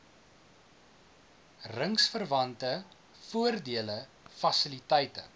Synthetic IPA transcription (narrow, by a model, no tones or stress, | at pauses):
rəŋsfərvɐntə | fuərdiələ | fɐsəlitɛjtə̰